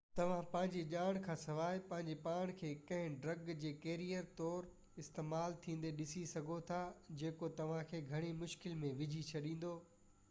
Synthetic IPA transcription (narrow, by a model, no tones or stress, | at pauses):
t̪ɐʋ̤ãpɐ̃ɦɪ̃ɲd͡ʑeʄaːɽ̃kʰãːsɐʋaːɪpɐ̃ɦɪ̃ɲd͡ʑepaːɽ̃kʰeːkɐ̃ɦɪ̃ɖɾɐɡd͡ʑeːkeːɾijəɾt̪ɔːɾ | ɪst̪eːmaːlt̪ʰĩːn̆d̪eɗɪsisɐɡʱot̪ʰad͡ʑeːkot̪ɐʋ̤ãkʰeːɡʱɐɽ̃imʊʃkɪlmẽʋɪd͡ʑʱit͡ɕʰɐɗĩːn̆d̪oː